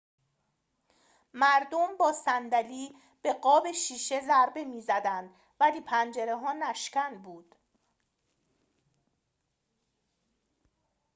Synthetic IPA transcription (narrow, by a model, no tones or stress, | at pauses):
mæɾd̪ombɒːsænd̪æliː | b̥e̞ɢɒːbe̞ʃiːʃe̞zæɾbe̞miːzæd̪ænd̪ | væliːpʰænd͡ʒe̞ɾe̞ɦɒːnæʃcænbuːd̪̥